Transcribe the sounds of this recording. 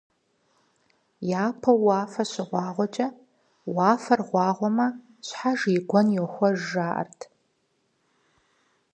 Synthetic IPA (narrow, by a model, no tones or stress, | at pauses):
jaːpʰɐwaːfɐɕɪʁʷɑːʁʷɔt͡ʃʼɐ | waːfɐrʁʷɑːʁʷɔmɐ | ɕħaʒiːɡʷɔnjɛxʷɔʒaːʔɐ̰rtʰ